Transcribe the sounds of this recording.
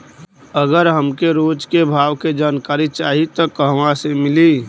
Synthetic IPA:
əɡəɾɦəmkeɾoːd͡ʒkebʱaːʋked͡ʒaːnkaːɾit͡ʃaːɦit̪ɔkəɦʋãsemɪliː

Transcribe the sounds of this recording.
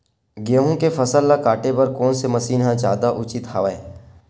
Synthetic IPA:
ɡeːɦõkefʰɐsəlːakaːʈepɐɾkɔːnsemɐsiːnɦãd͡ʒaːd̪aʔʊt͡ʃɪt̪hɐʋəe

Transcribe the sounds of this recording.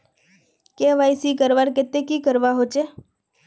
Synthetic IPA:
keʋajsikəɾʋaɾket̪ekikəɾʋaɦot͡ʃʰe

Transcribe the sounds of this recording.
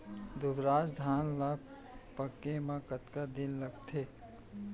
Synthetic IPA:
d̪ʊbɾaːd͡ʒd̪ʱaːnla | pəkemãkət̪kad̪inləɡt̪ʰe

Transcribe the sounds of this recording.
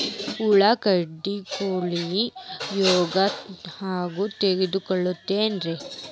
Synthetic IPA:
uɭɐkɐɖːikoːɭiijɔːɡɐhaːɡut̪eɡid̪ukɔɭːut̪ːeːnɾe

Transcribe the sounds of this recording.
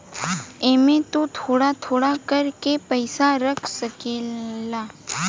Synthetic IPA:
emẽt̪ot̪ʰoːɽat̪ʰoːɽakəɾkepəɪsaɾəkʰsəkela

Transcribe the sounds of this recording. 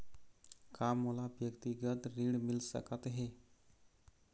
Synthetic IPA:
kʰaməlaʋjəkt̪iɡət̪ɾiɽmilsə̰kat̪ɦe

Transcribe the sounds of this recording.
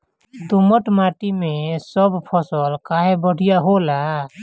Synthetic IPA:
d̪ʊməʈmaːʈimẽsəbpʰəsəlkaːɦebəɽ̤ijaɦola

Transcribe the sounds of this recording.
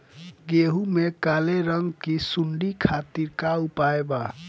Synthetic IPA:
ɡeɦumekaleɾʌŋɡkisuɳɖikʰat̪iɾkaupaeba

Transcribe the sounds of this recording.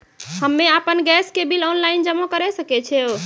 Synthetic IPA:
həmːeəpənɡɛskebilɔnlaind͡ʒəmokəɾɛsəkɛt͡ʃʰɛo

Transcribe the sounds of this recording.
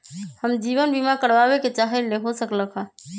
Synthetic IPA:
həmd͡ʒiβənbimakəɾbabeket͡ʃaɦeleɦosəkləkʰɦã

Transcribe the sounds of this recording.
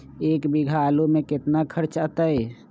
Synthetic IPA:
eːkbiɡʱalomeket̪nakʰəɾt͡ʃət̪əj

